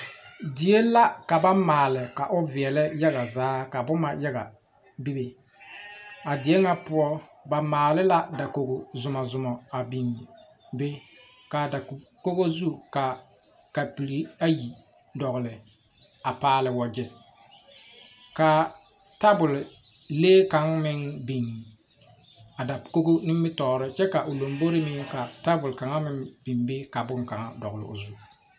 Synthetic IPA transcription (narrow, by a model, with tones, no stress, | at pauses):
dɪ˨e˦la˦ka˨ba˦maː˨lɪ˨ka˨ʔʊ˦vɪ˨ɛ˨lɪ˦ja˦ɣa˨zaː˦ka˨bʊ˦ma˨ja˦ɣa̰˨ | bi˦be˨ | a˨dɪ˨ɛ˦ŋa˦pʊ˦ɔ˦ba˨maː˨lɪ˦la˦da˨ko˨ɡo˨zʊ˨ma˨zʊ˨mɔ˨a˨bi˨ŋ˨ | be˦ | ka˨da˨ko˦ɣo˦zu˦ka˨ | ka˨pi˨li˨a˦ji˨ | dɔ˨ɣʊ˨lɪ˨ | a˨paː˦lɪ˨wɔ˨d͡ʒɪ˦ | ka˨ | ta˦bʊ˨l | leː˦ka˨ŋmɪ˦ŋbi˨n | a˨da˨ko˦ɡo˦nɪ˦m˦bɪ˦tɔː˨ɾɪ˦t͡ʃɛ˦ka˨ʔo˨lo˨mbo˦ɾɪ˦mɪ˦ŋka˨ta˦bʊ˨lka˨ŋa˦mɪ˦ŋb̥i˨mbɪ˦ka˨bʊ˦ŋka˨ŋa˦dɔ˨ɣʊ˨lɪ̰˨ʊ̰˨zu˦